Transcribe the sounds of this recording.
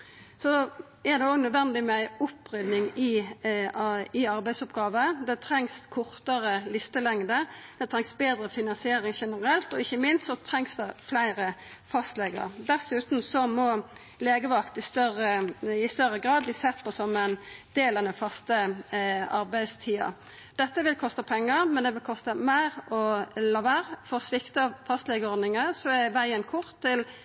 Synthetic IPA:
sɔ | ɛʁd̪ɛoːɡnœd̪ʋɛnd̪ɪmɛæɪʊpːʁʏd̪nɪŋɪ | ɪɑɾbæɪsɔpɡɑːʋəd̪ɛt̪ʰɾɛŋskʰʊʁt̪əɾəlɪst̪əlɛŋd̪əd̪̥ɛt̪ʰɾɛŋsbeːd̪ɾəfɪnɑnsɪeːɾɪŋʃɛnəɾɛlt̪ɔɪçːəmɪnst̪sɔt̪ʰɾɛŋsd̪ɛflæɪɾəfɑst̪lɛːɡə̰ʁd̪ɛsʉːt̪n̩sɔmɔ | leːɡəʋɑkt̪ɪst̪œʁəɪst̪œɾəɡʁɑːd̪̚bliːsɛt̪ːpʰɔsɑmːənd̪eːlənəfɑst̪ə | ɑɾbæɪd̪st̪ʰiːɑ̰ | d̪̥ɛt̪ːəʋɪlkʰɔst̪əpʰɛŋːəɾmɛnd̪ɛʋɪlkʰɔst̪əmæɪɾɔlɑːʋæʁfɔɾsʋɪkt̪əfɑst̪lɛɡəɔɾd̪nɪŋəsɔɛʋæɪənkʰʊʁt̪ʰːɪl

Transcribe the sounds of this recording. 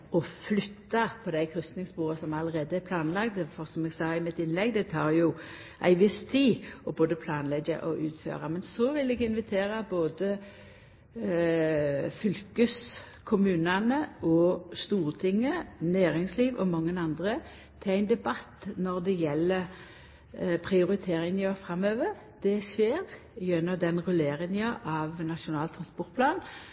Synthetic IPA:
ɔflʏt̪ːɑpʰɔd̪æɪkʰʁʏst̪nɪŋsbuːʁɑsɔmɑləʁeːd̪əɛpʰlɑːnlɑɡt̪fɔʁsɔmɛɡsɑːɪmɪt̪ɪnlɛɡd̪ɛt̪ʰɑːʁjʊ | ʔæ̰ɪʋɪst̪ʰiːɔboːd̪əpʰlɑːnlɛɡə̰ʔɔ̰ʔʉːt̪fø̰ːʁɑmɛnsɔʋɪlɛɡɪnʋɪt̪ʰeːʁɑboːd̪ə | fʏlkəs | kʰʊmʉːnɑnəʔɔst̪uːʁt̪ʰɪŋːənæːʁɪŋsliːʋɔ̰mɑŋːənɑnd̪ʁə | t̪ʰɪæɪnd̪ɛbɑt̪ːnɔʁd̪ɛjɛlːə | pʰɾɪʊɾɪt̪ʰeːɾɪŋnøfɾɑmøːʋəʁ | d̪̥ɛʃeːɾ | jœnːɔd̪ɛnʁʉleːɾɪnɑʔɑʋnɑʃʊnɑːlt̪ʰɾɑnspɔʁt̪pʰlɑːn

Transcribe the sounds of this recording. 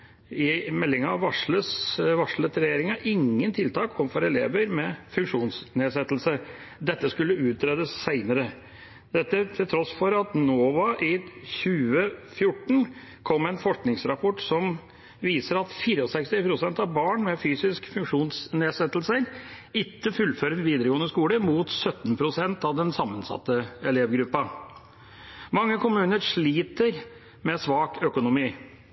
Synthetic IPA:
ɪmɛlːɪŋɑɑʋɑʂləsʋɑʂɭət̪ɾɛjeːɾɪŋɑʔɪŋːənt̪ʰɪlt̪ʰɑːkʰɔmfɔɾɛlḛːʋəɾmɛfʉŋkʂuːnsneːsɛt̪ːlsə | d̪ɛt̪ːəskʉlːəʉːt̪ɾeːd̪əsːæɪnəɾə | d̪ɛt̪ːət̪ʰɪlt̪ʰɾɔsfɔɾɑt̪noːʋɑʔɪçʉːəfjʊʈːɳ̩ | kʰɔmːæɪnfɔʂknɪŋsɾɑpʰɔʈsɔm | ʋiːsəɾɑt̪fiːɾəɔsɛkst̪ɪpʰɾʊsɛnt̪ɑʋbɑːɳmɛfyːsɪskfʉŋkʂuːnsneːsɛt̪ːl̩səɾ | ɪt̪ːəfʉlføːɾəɛnʋiːd̪əɾəɡoːənəskuːləɾmuːt̪sœt̪ːnpʰɾʊsɛnt̪ɑʋd̪ɛnsɑmːənsɑ̰t̪ːəɛleːʋɡɾʉpːɑ | mɑŋːəkʰʊmʉːnəɾʂɭiːt̪əɾ | mɛsʋɑːkœkʊnʊmiː

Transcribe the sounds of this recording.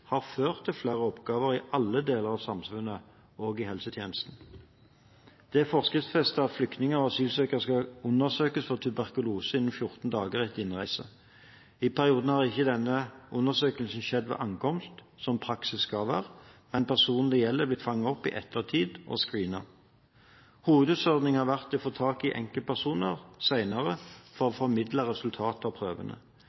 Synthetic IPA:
hɑːʁføːʁt̪ʰːɪlflæːʁəɔpɡɑːʋəʁɪʔɑlːəd̪eːləʁɑʋsɑmsfʉnːə | oːɡɪhɛlsət̪ʰjeːnəst̪n̩ | d̪̥ɛæfɔʁskɪt̪sfɛst̪əɑt̪flʏkt̪nɪŋəɔɑsyːlsøːkəʁskɑʉnːəʁsøːkəsfɔʁt̪ʰʉbæʁkʊluːsəɪnːən̩fjʊʁt̪n̩d̪ɑːɡəʁɛt̪ːɪnʁæɪsə̰ | ɪpʰæʁɪuːd̪n̩hɑːʁɪçːəd̪ɛnːəʔʊnːəʁsøːkəlsn̩ʃɛd̪ːʋɛ̰ːʔɑŋkɔmst̪ | sɔmpʰʁɑksɪskɑʋæːʁmɛnpʰæʁsuːnn̩d̪ɛjɛlːəblɪt̪fɑŋːɑɔpːɪ̰ʔɛ̰t̪ːəʁt̪ʰiːd̪ʔɔ̰skʁiːnɑ̰ | huːʋəd̪ʉːt̪sɔʁd̪nɪŋhɑːʁʋæʁt̪ɛɔfoːt̪ʰɑːkɪʔɛ̰ŋkəpʰæʁsuːnəʁsæɪnɑʁəfɔʁɔfɔɾmɪd̪ləʁɛsʉlt̪ʰɑːt̪əɑʋpʰʁøːʋə̰nə̰

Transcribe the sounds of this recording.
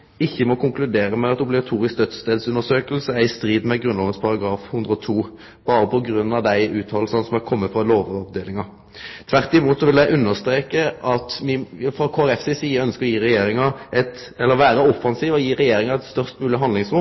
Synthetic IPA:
ɪçːəmɔkʰʊŋklʉd̪eːɾəmɛɑt̪ʊblɪɡɑt̪ʰuːɾɪsk̚d̪œt̪st̪eːd̪sʉnːəʂøːkəlsəæɪst̪ɾiːd̪mɛɡɾʉnlɑːɡənspʰɑɾɑɡɾɑːfhʉnd̪ɾəɔt̪ʰuː | b̥ɑːɾəpʰɔɡɾʉnːɑʋd̪æɪʔʉːt̪ʰhɑlsɑnsɔmækʰɔmːət̪fʁɑloːʋɔʋd̪eːlɪŋɑ | t̪ʰʋæʁt̪ɪmuːt̪sɔʋɪlæɪʔʉnːəʁst̪ɾeːkəʔɑt̪mɪfɾɑkʰoːæɾɛfsesiːəœnskəʁjiːɾɛjeːɾɪŋɑɛt̪ | ɛlːəɾʋæːɾəɔfːɑnsiːʋɔjiːɾɛjeːɾɪŋɑɛt̪st̪œʁst̪mʉːlɪɦɑnd̪lɪŋsʁʊ

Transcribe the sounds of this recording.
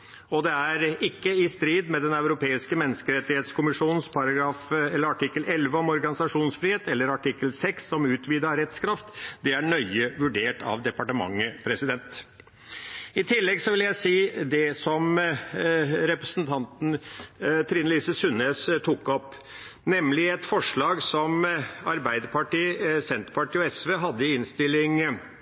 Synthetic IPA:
ɔd̪ɛæɾɪkːəɪst̪ɾiːd̪mɛd̪ɛnɑʉɾʊpʰeːɪskəmɛnːəskəɾɛt̪ːɪheːt̪skʰʊmɪʂuːnn̩spʰɑɾɑɡɾɑːfɛləɾɑʈɪkːəlɛlʋəɔmɔɾɡɑnɪsɑʂuːnsfɾiːheːt̪ɛlːəɾɑʈɪkːəlsɛksːɔmʉːt̪ʋiːd̪ɑɾɛt̪skʰɾɑft̪d̪ɛæɳœʏəʋʉɖeːʈʰɑ̰ʋd̪ɛpɑʈəmɑ̰ŋːəpʰɾɛsɪd̪ɛnt̪ | ɪt̪ʰɪlːɛɡsɔʋɪljæɪsiːd̪ɛsɔm | ɾɛpɾəsnt̪ʰɑnt̪n̩t̪ʰɾiːnliːsəsʉneːst̪ʰukːɔp | nɛmlɪɛt̪fɔʂɭɑːɡsɔmɑɾbæɪd̪əpɑʈiːsɛnt̪ɾpɑʈiːɔɛsʋeːɦɑd̪ːəɪɪnst̪ɪlːɪŋ

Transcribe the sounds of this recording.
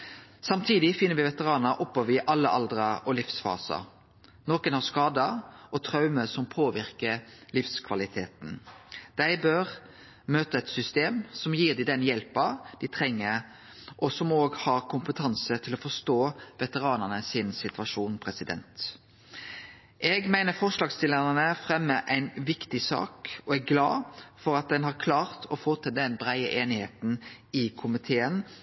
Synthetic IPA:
sɑmt̪ʰiːd̪ɪfɪnːəɾʋɪʋɛt̪əʁɑːnəɾʔɔpːɔʋɪʔɑlːəʔɑld̪ɾəʔɔlɪfsfɑ̰ːsɑ̰ | noːkənhɑskɑːd̪əʔɔt̪ʰʁɑʉməsɔmpʰoːʋɪɾkəlɪfskʰʋɑlɪt̪ʰeːt̪n̩d̪̥æɪbøːʁ | møːt̪əɛt̪sʏst̪eːmsɔmjiːd̪ɪd̪ɛnjɛlpɑd̪̥ɪt̪ʰɾɛŋːə | ʔɔsɔmoːɡhɑʁkʰʊmpət̪ʰɑnsət̪ʰɪlɔfɔst̪oːʋɛt̪əʁɑːnəʁnəsɪnsɪt̪ʋɑʃuːnpʰʁɛsɪd̪ɛ̰nt̪ | ʔɛɡmæɪnəfɔʂlɑːɡst̪ɪləənəfʁɛmːəʔæɪnʋɪkt̪ɪsɑ̰ːkɔɛɡɡlɑ̰ːfɔɾɑt̪̚d̪ɛnhɑʁkʰlɑːʁt̪ʰɔfoːt̪ʰɪld̪ɛnbʁæɪə̰ʔeːnɪheːt̪n̩ɪkʰʊmɪt̪ʰeːən

